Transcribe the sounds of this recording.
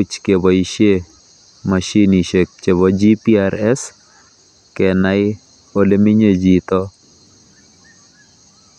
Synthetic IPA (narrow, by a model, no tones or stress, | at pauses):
ut͡ʃkebɔiʃe | mɐʃiniʃek̚t͡ʃeβɔd͡ʒipiaɾɛs | kɛnaj | olemiɲed͡ʒit̪ɔ